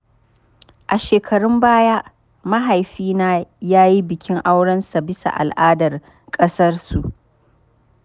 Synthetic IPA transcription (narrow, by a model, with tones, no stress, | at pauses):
ʔa˨ʃeː˨kʰɐ˨ɽʊ˦mbaː˦jaː˦ | ma˦ɦa˨jɸiː˦naː˦jaː˦ji˦bɪ˨kʲʰɪ˦ŋʔa˦wɽɐ˦nsa˨bɪ˦sa̰˨ʔa̰˨lʔaː˦dɐ˨r | kʼɐ˦sɐ˦rsu˨ʔ